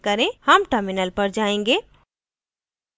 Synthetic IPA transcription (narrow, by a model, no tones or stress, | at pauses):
kəɾẽhəmʈəɾminəlpəɾd͡ʒaẽŋɡe